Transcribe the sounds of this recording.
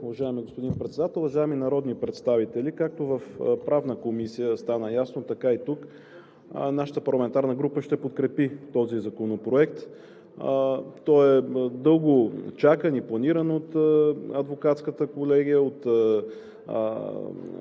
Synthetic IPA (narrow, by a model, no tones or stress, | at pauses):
uvɐʒaɛmiɡospod̪inpɾɛt̪sɛd̪at̪ɛlˠvɐʒaɛminɐɾɔd̪nipɾɛt̪st̪avit̪ɛlikak̚t̪ovəfpɾavnəkomisijəst̪anəjasnot̪ɐkait̪uk | naʃə̥t̪əpɐɾlˠɐmɛnt̪aɾnəɡɾupəʃt̪ɛpot̪kɾɛpit̪ɔzizɐkonopɾoɛk̚t̪ | t̪ɔɛd̪ɤlˠɡot͡ʃakəniplˠɐniɾənot̪ɐd̪vokat̪skət̪əkolɛɡʲijəot̪ə̰